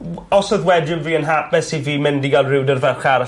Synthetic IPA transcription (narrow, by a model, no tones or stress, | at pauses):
ɔsɔðwɛdjʊmviːənɦap̚ɛsiviːmɪndiɡalˠrɪwdərvɛχaɾa